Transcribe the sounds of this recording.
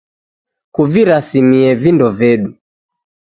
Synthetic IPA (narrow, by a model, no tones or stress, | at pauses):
kuviɾasimiɛvindɔvɛɗu